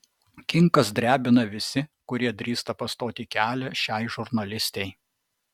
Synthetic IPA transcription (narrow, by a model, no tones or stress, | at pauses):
kʲɪŋkɐsd̪ʲɾʲæːbʲɪnɐʋʲɪsʲɪkʊɾʲiɛd̪ʲɾʲiːst̪ɐpɐst̪oːt̪ʲiːkʲæːlʲɛʃʲæɪʒʊɾnɐlʲɪsʲt̪ʲɛɪ